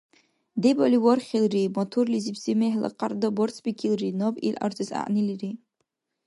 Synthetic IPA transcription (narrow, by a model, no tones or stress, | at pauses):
deboliwɔrχʲilrimotʰurlizipʰsimeħla̰qʼardabort͡sʰbʲikʲʰilrinobʼḭlʔa̰rzɨza̰ʔniliri